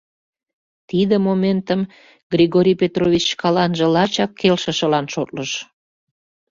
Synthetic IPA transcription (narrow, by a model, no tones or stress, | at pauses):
t̪id̪əmoment̪əm | ɡrʲiɣoɾʲijpʲet̪rovit͡ɕkɑlɑnʒə̆lɑt͡ɕɑkːelʃə̆ʃə̆lɑnʃot̪̚ləʃ